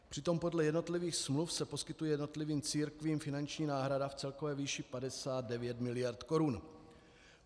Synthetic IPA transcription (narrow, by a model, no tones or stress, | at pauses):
pr̥ɪt̪o̞mpo̞dlɛjɛdno̞t̪lɪviːxsmlufsɛpo̞skɪt̪ujɛjɛdno̞t̪lɪviːmt͡siːɾkviːmfɪnant͡ʃɲiːnaːɦɾadaft͡sɛlkovɛːviːʃɪpadɛsaːd̪̚dɛvjɛt̪mɪlɪjaɾt̪koɾun